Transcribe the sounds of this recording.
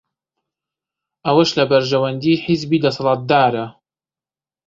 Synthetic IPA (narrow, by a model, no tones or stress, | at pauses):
ʔɐwɐʃlɐbɐɾʒɐwɐnd̪iːħɪzbiːd̪ɐsɑlˠɑːt̪̚d̪aːɾɐ